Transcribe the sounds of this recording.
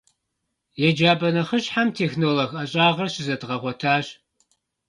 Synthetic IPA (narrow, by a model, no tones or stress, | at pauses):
jɛd͡ʒaːbɐnɐχəɕħamtʰeːxnoːloxɐɕʼaːʁɐrɕɪzɐdʁɐʁʷɔtʰaːɕ